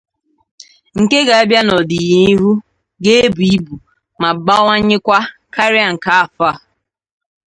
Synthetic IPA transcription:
ŋ̩˨ke˦ɡa˨a˦bja˦nɔ˨di˨ji˦ɦu˦ | ɡe˦e˦bu˨i˦bu˨ | ma˨ba˦wa˦ɲɪ˦kʷa˦kʰa˦ɾɪ˦a˨ŋ̩˨ka˨a˨fa˦˨

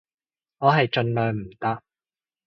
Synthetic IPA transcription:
ŋɔː˨˧ɦɐ˨jt͡ʃɵ˧nlœː˨ŋm̩˨˩t̪ɐ˥k̚

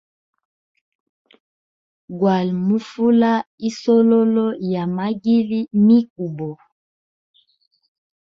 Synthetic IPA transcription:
ɡwa˨lmu˦fu˦la˦i˦sɔ˦lɔ˦lɔ˦ja˨ma˦ɡi˦li˦mi˦k̚u˨bɔ˨

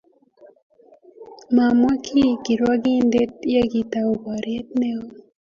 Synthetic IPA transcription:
ma˨mwa˦kʰi˦ki˨ɾwa˦ɡi˦nd̪e˦tja˦ɡi˨ta˨o˨ba˨ɾe˦tne˦o˦

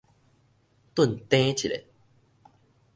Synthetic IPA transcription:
t̪wu˥˨nt̪ẽ˦t͡ɕʰi˨lḛ˨˦

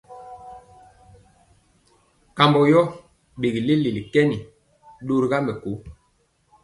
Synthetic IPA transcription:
ka˨mbɔ˨jɔ˦ | ɓe˨ɡi˨le˦li˨li˨kɛ˦ni˨ | ɗo˦ɾi˦ɡa˦mbɛ˨ko˨˦

